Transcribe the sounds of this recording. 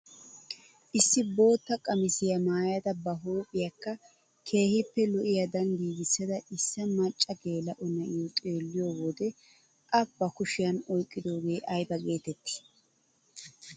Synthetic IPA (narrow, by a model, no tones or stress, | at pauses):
ʔɪsːɪbo̞ːt̪ːɐkʼɐmɪsɪjɐmaːjɐd̪ɐbɐɦoːpʼɪjɐkːɐ | kʰe̞ːhɪpːɛlɔʔɪjɐd̪ɐnɡiːɡɪsːɐd̪ɐʔɪsːɐmɐt͡ʃʼːɐɡe̞ːlɐʔʊnɐʔɪjɔt̪ʼeːlːɪjowɔd̪ɛ | ʔɐbːɐkʊʃɪjɐnɔjkʼːɪd̪o̞ːɡe̞ːʔɐjbɐɡe̞ːt̪ɛt̪ːɪ̥